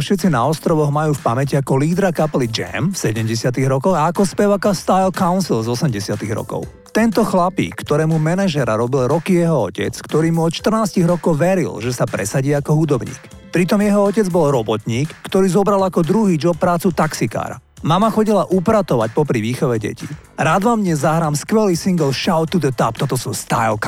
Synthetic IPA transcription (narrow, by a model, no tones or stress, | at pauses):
fʃɛt̪t͡sina̰ɔst̪ɾɔʋɔɣmajuːfpamɛciakɔliːd̪ɾakapɛlid͡ʒɛ̰mfsɛɟɛmɟɛsɪat̪iɣɾɔkɔɣaːkɔspɛʋaːkast̪ajlkaʊnsilzɔsɛmɟɛsɪat̪iɣɾɔ̰kɔ̰ʊ | t̪ɛnt̪ɔxlapḭːkːt̪ɔɾɛːmumɛnaʒɛɾa̰ɾɔbilɾɔkijɛɦɔɔcɛ̰t͡skt̪ɔɾiːmuɔt̪ʃt̪r̩naːsciɣɾɔkɔʊʋɛɾḭlʒɛsapɾɛ̰saɟiakɔɦud̪ɔbɲḭːk | pɾit̪ɔmjɛɦɔɔcɛd͡zbɔlɾɔbɔt̪ɲiːkːt̪ɔɾiːzɔbɾalakɔd̪ɾuɦiːd͡ʒɔp̚pːɾaːt͡sut̪aksika̰ːɾa̰ | mamaxɔɟilaʔupɾat̪ɔʋac̚pɔpɾiʋiːxɔʋɛɟɛ̰cḭ | ɾaːd̪ʋamɲɛzːaɦɾaːmskʋɛliːsiŋɡɛlʃaʊt̪ud̪ɛt̪apt̪ɔt̪ɔsust̪a̰jlk